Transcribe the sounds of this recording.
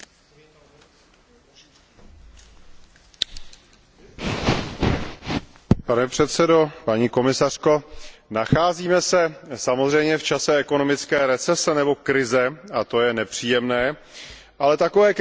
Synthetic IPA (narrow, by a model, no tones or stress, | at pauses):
panɛpr̝̥ɛt̪sɛdo̞paɲiːko̞mɪsar̝̥ko̞naxaːziːmɛsɛsamo̞zr̝ɛjmɲɛft͡ʃasɛɛko̞no̞mɪt͡skɛːɾɛt͡sɛsɛnɛbo̞kɾɪzɛat̪o̞jɛnɛpr̝̥iːjɛmnɛː | ʔalɛt̪akovɛːk